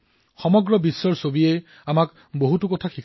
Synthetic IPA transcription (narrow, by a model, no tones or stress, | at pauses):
xɔmɔɡɹɔbisːɔɹsobiej | amak | boɦutukɔtʰaxikʰ